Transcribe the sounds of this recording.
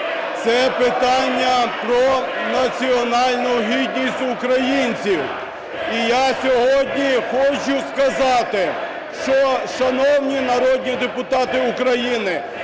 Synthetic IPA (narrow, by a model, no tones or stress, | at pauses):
t̪sɛpɪt̪ɑnʲːɐpɾɔ | nɐt͡sʲiɔnɑlʲnʊɦʲid̪ʲnʲisʲtʲʊkɾɐjinʲt͡sʲiw | ijasʲɔɦɔd̪ʲnʲixɔt͡ʃʊskɐzɑt̪ɪ | ʃt͡ʃɔʃɐnɔwnʲinɐɾɔd̪̚ʲnʲid̪epʊt̪ɑt̪ɪʊkɾɐjinɪ